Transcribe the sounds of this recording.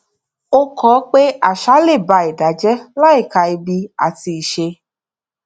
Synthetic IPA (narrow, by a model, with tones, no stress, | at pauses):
o˦kʰɔː˨˦k͡pe˦a˨ʃa˦le˦˨ba˧i˨da˨d͡ʒɛ˦la˦i˦˨ka˨i˧bi˧a̰˨ti˧i˨ʃe˧